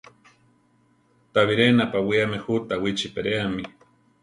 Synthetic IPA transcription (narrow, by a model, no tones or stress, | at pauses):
t̪aβiɾenapawiamehut̪awit͡ʃipeɾeami